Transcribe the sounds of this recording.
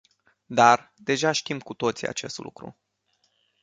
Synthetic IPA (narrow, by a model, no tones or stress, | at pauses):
d̪ard̪e̞ʒaʃt̪imkut̪o̞t̪sia̰t͡ʃe̞st̪lṵkɾṵ